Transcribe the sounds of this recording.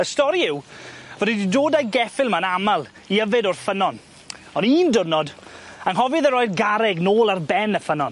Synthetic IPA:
əstɔɾiɪwvəɾididoːdajɡɛfɪlˠmanamalˠ | iəvɪdɔrfənɔn | ɔniːndʊrnɔdaŋɦɔvɨðəɾɔjdɡaɾɛɡnoːlˠarbɛnəfənɔn

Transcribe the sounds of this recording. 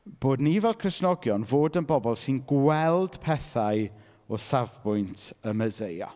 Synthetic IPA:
b̥oːdnivɛlˠkʰrɪsnɔɡjɔnvoːdənbɔbɔlˠsɨnɡwɛlˠd̥pʰɛθaɨ | ɔsavbʊjntʰəməzeja̰

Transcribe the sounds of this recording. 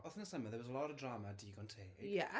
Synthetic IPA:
ɔθə̃nəsəməðɛwɔzəlɔɾəvdɹaːmadiəɡõə̃ntʰeːjɛʔ

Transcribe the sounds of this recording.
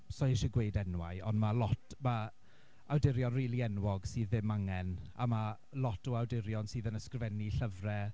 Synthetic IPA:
sɔʃiɡwejdɛnwa̰jɔndmalɔtma | awdɪɾjɔnriːlˠiɛnwɔɡ̥sɨːðːɪmaŋɛnama | lɔtʰɔawdɪɾjɔnsɨːðənəskrɪvɛniɬəvrɛ

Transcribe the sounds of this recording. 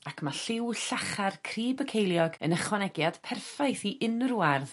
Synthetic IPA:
akʰmaɬɪwɬaχarkʰriːbəkʰejlˠjɔɡə̰nəχwɔnɛɡjad̥pʰɛrfajθiʔɪnrwarð

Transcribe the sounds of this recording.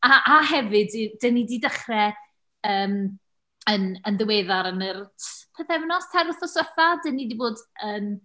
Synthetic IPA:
aʔaɦɛvɨdid̥ənididəχrɛ | əːm | ənənðəweːðaɾənərtʰpʰɛθɛvnɔstʰaɾʊθɔsəθadənidiboːdəːn

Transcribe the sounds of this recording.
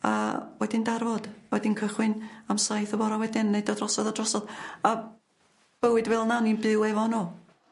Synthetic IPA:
a̰wɛdɪndarvɔd̥awɛdɪnkʰəχwɪnamsajθɔvɔɾɔwɛdɪnnejdɔdrɔsɔðadrɔsɔða | b̥əwɨdvɛlˠnaninbɨwɛvɔnɔ

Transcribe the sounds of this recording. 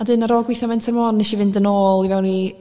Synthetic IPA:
adɨnaɾɔːɡwɪθɔmɪntʰɛrmɔnnɛʃivɪndənoːlˠivɛwni

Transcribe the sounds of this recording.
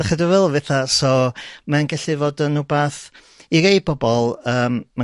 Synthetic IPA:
aχədɪvɛlˠvɛθasɔmanɡɛɬɨvoːdənubaθ | iɾej̚b̥ɔbɔlˠəːmma

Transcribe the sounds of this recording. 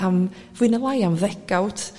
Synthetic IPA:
am | vwɨnəlˠajanðɛɡ̥awt

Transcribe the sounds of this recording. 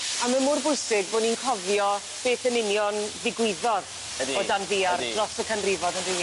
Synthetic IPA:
amamʊrbʊjsɪɡboːninkʰɔvjɔ | b̥eːθənɪnjɔnðɪɡwɪðɔð | dboːdanðiardrɔsəkʰanrɪvɔdandɪ

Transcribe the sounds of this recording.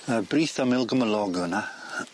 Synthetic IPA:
əbriːθamɪlˠɡəməlɔɡəna

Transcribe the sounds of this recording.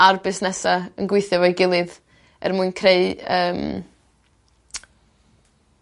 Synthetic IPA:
arbɪsnɛsaənɡwɪɨθjɔvɔjɡɪlˠɨð | ɛ̰rmuɨnkʰreɨəːm

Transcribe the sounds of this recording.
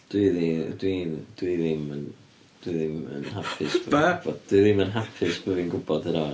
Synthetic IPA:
d̥wiðidwid̥wiðɪmən | d̥wiðɪmə̰nhapʰɪsb̥vɔd̥wiðɪmənɦapʰɪsb̥əvinɡʊbɔd̥əɾɔ

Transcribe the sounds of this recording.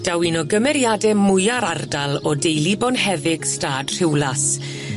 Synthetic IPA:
d̥awinɔɡəmɛɾjadɛmʊjaɾardalˠɔdejlibɔnhɛvɪɡ̥staːd̥r̥ɪwlas

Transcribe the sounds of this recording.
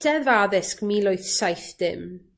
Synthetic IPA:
d̥ɛðvaːðɪskmilˠʊjθsajθd̥ɪ̰m

